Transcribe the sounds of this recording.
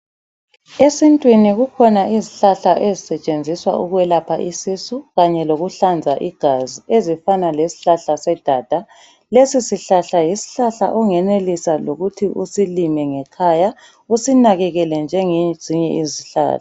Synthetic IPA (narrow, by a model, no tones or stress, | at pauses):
esintʼwiniɣukʰɔnaʔiziɬaɬaʔezisɛt͡ʃʼend͡zʱiswa̰ʔuɣwɛlapʰa̰ʔisisuɣaɲɛloɣuɬand͡zʱaʔiɡ̥ʱaziezifanalesi̥ɬaɬasɛd̥ʱad̥ʱa | lesisiɬaɬajisi̥ɬaɬa̰ʔɔŋɛnelisaloɣutʰiʔusilimɛŋɛkʰaja | usinaɣɛɣɛlɛnd͡ʒʱɛŋez̥iɲɛʔiziɬa̰ːɬḁ